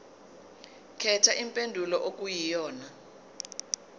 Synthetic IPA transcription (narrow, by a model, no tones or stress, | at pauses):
kʰɛtʰaʔimpʼendʱulɔʔok̬ʼujijɔːna